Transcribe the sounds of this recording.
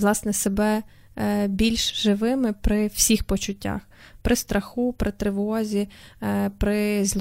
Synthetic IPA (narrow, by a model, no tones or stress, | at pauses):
lˠɑsnɛsebɛ | bʲilʲʃʒɪʋɪmɪpɾɪw̥sʲixpɔt͡ʃʊtʲːa̰x | pɾʔɪst̪ɾʔɐxupɾʔɪt̪ɾɪʋɔzʲi | pɾɪz